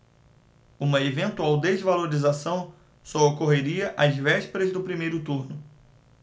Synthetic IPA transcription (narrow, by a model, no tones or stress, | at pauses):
ũmɐevẽnt̪uawd̪ezvaloɾizasɐ̃w̃ | sɔokoɦeɾiɐʔazvɛʃpeɾɐzd̪ʊpɾimejɾʊt̪uɾnʊ